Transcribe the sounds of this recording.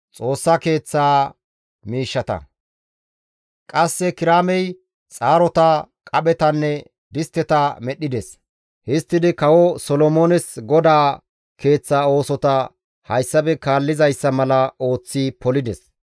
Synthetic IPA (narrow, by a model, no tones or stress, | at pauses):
t͡sʼo̞ːsːɐke̞ːt͡sːaː | miːʃːɐt̪ɐ̰ | kʼɐsːɛkɪɾaːmɛj | t͡sʼaːɾɔt̪ɐ | kʼɐɓɛt̪ɐnːɛ | d̪ɪst̪ːɛt̪aːmɛɗɪd̪ɛs | hɪst̪ːɪd̪ɪkɐwɔsɔlɔmoːnɛsɡɔd̪aː | ke̞ːt͡sːaːo̞ːsɔt̪ɐ | hɐjsːɐbɛkaːlːɪzɐjsːɐmɐlɐo̞ːt͡sːipɔlɪd̪ɛs